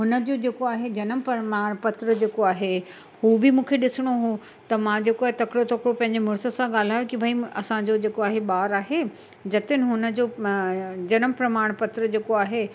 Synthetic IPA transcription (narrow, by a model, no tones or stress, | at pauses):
ɦʊnə̆d͡ʑoːd͡ʑeːkoaːɦed͡ʑɐnəmpɐmaːɽ̃pɐt̪ɾəd͡ʑeːkoaːɦe | huːbɪmũːkʰeɗɪsɪɽ̃oɦu | t̪ɐmãd͡ʑeːkoaːɦet̪ɐkɽot̪ɐkɽopɐ̃ɦɪ̃ɲ̆d͡ʑemʊɾsə̆sãɠaːl̤aːjokibʱaiɐsãd͡ʑod͡ʑeːkoaːɦeɓaːɾaːɦe | d͡ʑɐt̪ɪnɪ̆ɦʊnə̆d͡ʑo | d͡ʑɐnəmpɾɐmaːɽ̃pɐt̪ɾəd͡ʑeːkoaːɦe